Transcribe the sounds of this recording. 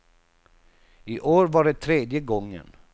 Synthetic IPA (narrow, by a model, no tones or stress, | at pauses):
ɪʔoːɾvaɖɛt̪ʰɾeːd̪jəɡɔŋːə̰n